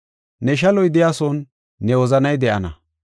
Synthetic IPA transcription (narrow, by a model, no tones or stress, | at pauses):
nɛʃ̬ɐlɔjd̪ɪjaːsɔnː | ɛwɔzɐnɐjd̪ɛʔɐnɐ̰